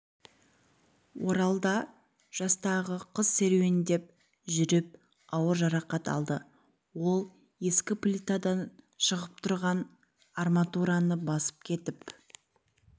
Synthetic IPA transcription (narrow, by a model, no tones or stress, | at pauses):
woɾɑlˠd̪ɑ | ʒ̥ɑst̪ɑʁəqʰəz̥se̞ɾwe̞nd̪e̞p̚ | ʒʏɾɪp̚ | ɑwəɾʒɑɾɑqɑt̪ɑ̰lˠd̪ə | wo̞lˠ | e̞skʲɪpʰlʲit̪ad̪ɑn | ʃəʁəp̚t̪ʰʊɾʁɑn | armat̪uɾanəbɑsə̥p̚kʲʰe̞t̪ɪp